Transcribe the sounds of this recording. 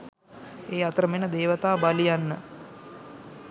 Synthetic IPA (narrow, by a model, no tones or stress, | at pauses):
eːat̪ɾəmenəd̪eːʋət̪aːbalijanːə